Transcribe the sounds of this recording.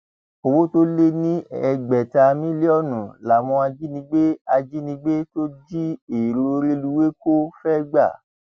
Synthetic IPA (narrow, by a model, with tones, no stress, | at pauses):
o˧wo˦to˦le˦nĩ˦ɛ˧ɡ͡bɛ˨ta˧mĩ˦le˦ɔ˦˨nũ˨la˨wɔ̃˧a˧d͡ʒi˦nĩ˧˦ɡ͡be˦a˧d͡ʒi˦nĩ˧ɡ͡be˦to˦d͡ʒi˦e˨ɾo˧ɾe˧lu˧we˦ko˦fɛ˦ɡ͡ba̰˦˨